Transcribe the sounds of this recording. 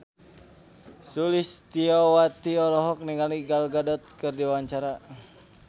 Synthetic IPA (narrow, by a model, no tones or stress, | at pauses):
sulist̪iɔwat̪iɔlɔɦɔk̚niŋaliɡalɡadɔt̪̚kɨrdiwaɲt͡ʃaɾa